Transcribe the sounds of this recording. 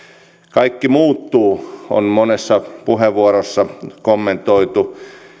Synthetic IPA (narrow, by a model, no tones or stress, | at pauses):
kɑikːimuːt̪ːuːo̰nmonesːɑpuɦeʋʋːuoɾosːɑkomːent̪oit̪u